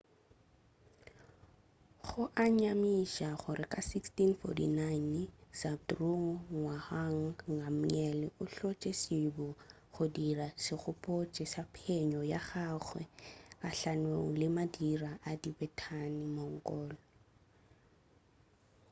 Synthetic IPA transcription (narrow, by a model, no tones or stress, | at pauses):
χʊʔaɲamiʃaχʊɾɪkʼasikstinfɔ̰tḭnajnsabdruŋ̩ŋwahaŋ̩ŋam̩ɲɛlɪʔʊɬɔt͡ʃʼesibɔ | χʊdirasɪχʊpʼot͡ʃʼɛsapʰɛɲɔjaχaːχwɛ̰kaɬanweŋ̩lɪmadiraʔadibɛtʰanɪmɔŋ̩kʼɔːlɔ